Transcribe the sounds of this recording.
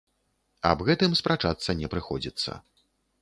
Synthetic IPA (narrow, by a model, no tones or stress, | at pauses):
ɐ̰bɣɛt̪ɨmspɾat͡ʂat̪sːɐnʲɛpɾɨxɔd͡zʲit̪sːɐ̰